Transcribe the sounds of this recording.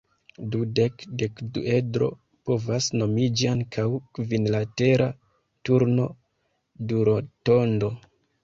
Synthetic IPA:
dude̞kde̞kdue̞dɾo̞̰ | po̞vasno̞mid͡ʒiaŋkʰawkvinlate̞ɾʔa | tuɾno̞̰ | duɾoto̞ndo̞

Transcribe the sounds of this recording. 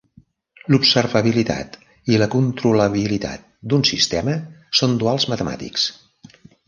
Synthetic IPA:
lupsəɾβəβ̞ilit̪a̰t̪ | iləkunt̪ɾuləβilit̪a̰t̪̚d̪unsist̪ɛməsond̪ualˠzmət̪əma̰t̪ḭks

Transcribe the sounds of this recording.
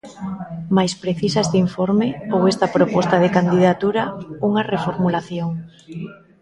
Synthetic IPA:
majspɾeθisaest̪iɱfoɾmeowest̪ɐpɾopɔst̪aðekand̪iðat̪uɾauŋarefoɾmulaθjoŋ

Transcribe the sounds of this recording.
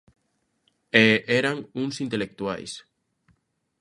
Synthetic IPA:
eeɾaŋuŋsint̪elek̚t̪ua̰js

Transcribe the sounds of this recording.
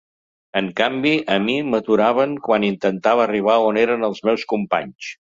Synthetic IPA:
əŋkambiʔəmimət̪uɾaβ̞əŋkwanint̪ənt̪aβəːriβ̞aoneɾənəlˠzmɛwskumpa̰ɲs

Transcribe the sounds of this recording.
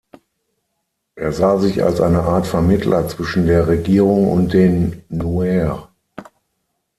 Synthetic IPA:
ʔeːɐzaːzɪça̰lsʔa̰ɪnəʔaːɐtfɛɐmɪtʰlʔɐt͡sv̥ɪʃn̩deːɐʁeɡiːʁʊŋʊ̰nt̚d̥eːnːuɛʁ

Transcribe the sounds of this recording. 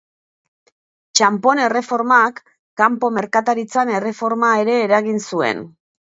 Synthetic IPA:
t͡ʃampo̞ne̞re̞fo̞ɾmakː | ampo̞me̞ɾkat̪aɾit͡sane̞re̞fo̞ɾmae̞ɾe̞ːɾaɣinsue̞̰n

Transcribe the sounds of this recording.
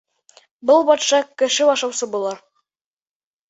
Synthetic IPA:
bɤlˠbɒt̪ʃɑkɘ̆ʃɘɑʃɑwsɤbulˠɑɾ

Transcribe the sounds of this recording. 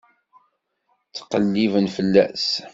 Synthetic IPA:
t͡sːqəlːivənfəlːæ̰s

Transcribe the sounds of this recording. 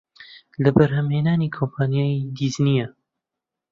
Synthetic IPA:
lɐbɐɾɦɐmheːnaːnikʰompʰaːnjaːid̪iznijɐ

